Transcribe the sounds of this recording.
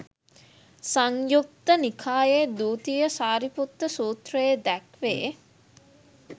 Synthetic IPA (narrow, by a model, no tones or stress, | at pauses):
saŋjuk̚t̪ənikʰaːjed̪uːt̪ijəsaːɾiput̪ːəsuːt̪rəjed̪ækʋḛː